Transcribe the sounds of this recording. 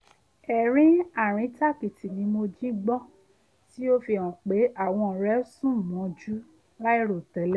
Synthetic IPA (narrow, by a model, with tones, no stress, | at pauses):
ɛ˨ɾ̃ĩ˨˦a˦˨ɾ̃ĩ˨˦ta˦˨ki˨ti˨nĩ˧˦mo˧d͡ʒĩ˦ɡ͡bɔ˦ | ti˦o˦fi˧˨ɔ̃˨k͡pe˨˦a˦˨w̃ɔ̃˧˨ɾɛ˨˦sũ˦˨mɔ̃˨˦d͡ʒu˦ | la˦i˦ɾo˨tɛ˨˦lɛ˦